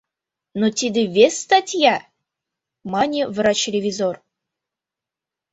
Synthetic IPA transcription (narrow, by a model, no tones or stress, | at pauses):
not̪ʲid̪ɨvʲest̪atʲja | manʲivɾat͡ɕɪlʲevʲizor